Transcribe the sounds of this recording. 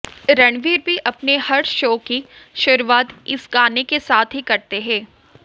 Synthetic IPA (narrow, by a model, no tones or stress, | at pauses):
ɾɐɳ̃ʋiːɾbʱiʔɐpnehɐɽʃoːkiʃʊɾuʋaːt̪ɪsɡaːnekesaːt̪ʰɦikɐɾt̪eɦɛ̃ː